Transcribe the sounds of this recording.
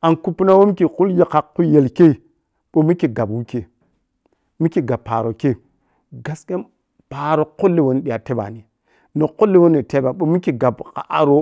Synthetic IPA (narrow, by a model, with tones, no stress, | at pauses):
a˨nku˦pːu˦na˦wo˦m˦ki˨ku˦lje˦ka˨kːu˦je˨lke˦i˨ | ɓo˨mi˦ki˨ɡa˨bwu˦ke˨ | mi˦ki˨ɡa˨pːa˨ɾo˨ke˦˨ | ɡa˨ske˦n | pa˨ɾo˨ko˦lːe˨wo˦n˦ɗi˨ja˨te˦ba̰˨ni˨ | no˨ko˦lːe˦wo˦ne˨te˦ba˨ɓo˨mi˦ki˨ɡa˨bka̰˨ʔa˦ɾo˦